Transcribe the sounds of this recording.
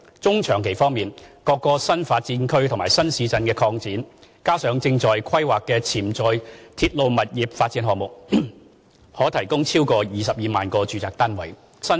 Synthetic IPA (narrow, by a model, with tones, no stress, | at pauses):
t͡sʊ˥ŋt͡ʃʰœː˨˩ŋkʰe˨˩jfɔː˥ŋmiː˨nkɔː˧kːɔː˧sɐ˥nfaː˧t̚t͡siː˨˥nkʰɵ˥ɥt̪ʰmaː˨˩jsɐ˥nsiː˨˧t͡sɐ˧nkɛː˧kʰɔː˧ŋt͡siː˨˥nkaː˥sœː˨˥ŋt͡sɪ˧ŋt͡sɔː˨˩jkʰɐ˥jwaː˨˩kːɛː˧t͡sʰiː˨˩mt͡sɔː˨jt̪ʰiː˧t̚lo˧wmɐ˨t̚jiː˨˩p̚faː˧t̚t͡siː˨˥nɦɔː˨ŋmʊ˨k̚ | hɔː˨˥t̪ʰɐ˨˩jkʊ˥ŋt͡sʰiː˥wkɔː˧jiː˨˩sɐ˨p̚jiː˨˧maː˨nkɔː˧t͡ʃyː˨˧t͡saː˨k̚t̪aː˥nwɐ˨˩j | sɐ˥